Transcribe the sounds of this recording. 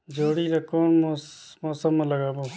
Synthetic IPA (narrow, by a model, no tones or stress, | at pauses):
d͡ʒoːɽiːɾakoːnmmoːsəmːaləɡaːboː